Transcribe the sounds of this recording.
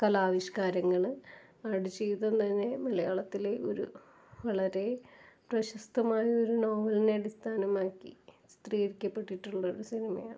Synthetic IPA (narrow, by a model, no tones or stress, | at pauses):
kɐlaːʋiɕkaːɾɐŋːɐɭɨ | ɐɽut͡ɕːejt̪ːɐnt̪ɐnːe̞mɐlɐjaːɭɐt̪ːileo̞̰ɾṵ | ʋɐɭɐɾe̞prɐɕɐst̪ʰɐmaːjɐo̞ɾuno̞ːʋɐlineɐɽist̪ʰaːnɐmaːkːist̪riːɾikʲːɐpːe̞ʈːiʈːuɭːɐoɾusinimɐ̰ja̰ːɳɨ